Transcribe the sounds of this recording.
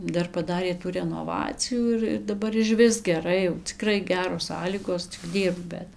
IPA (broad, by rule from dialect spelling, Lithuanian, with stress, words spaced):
ˈdɐr pɐˈdɑːrʲeː tuː rʲɛnoːˈʋɑːt͡sʲɪjuː ˈɪr ɪr dɐˈbɐr ɪʃʲˈʋʲɪs ɡʲɛˈrɐɪ jɛʊ t͡sʲɪˈkrɐɪ ˈɡʲæːroːs ˈsɑːlʲiːɡoːs t͡sʲɪk ˈdʲiːrpk ˈbʲɛt